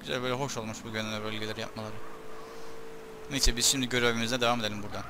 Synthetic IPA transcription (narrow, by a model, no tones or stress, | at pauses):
yzæ̰lʲbøjlʲɛɦo̞ʃo̞lˠmuʃbuɟønɛnɛbølʲɡʲelʲeɾija̰p̚malˠaɾɯ | nisʰɛbizʃimd̪iɟø̞ɾevimizd̪ɛd̪evame̞d̪elʲimbuɾd̪an